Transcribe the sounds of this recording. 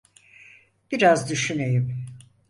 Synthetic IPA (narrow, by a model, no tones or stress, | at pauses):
b̥iɾazd̪yʃynejim